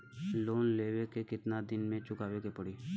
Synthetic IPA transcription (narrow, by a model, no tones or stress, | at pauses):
loːnleːʋekekɪt̪nad̪ɪnmẽːt͡ʃʊkaːʋekeːpəɽiː